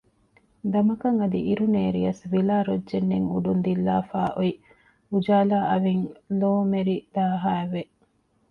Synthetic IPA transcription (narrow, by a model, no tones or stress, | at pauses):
d̪ɐmɐkɐŋɐd̪iʔiɾuneːɾijɐsʋilaːɾodʒenːeŋṵɖund̪ilːaːfaːʔoi | ud͡ʒaːlaːʔɐʋiŋloːmeɾid̪̥aːɦaːeʋe